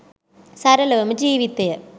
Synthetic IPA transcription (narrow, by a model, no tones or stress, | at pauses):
sɐɾɐlɐʋmɨd͡ʑiːʋit̪ːɐjɐ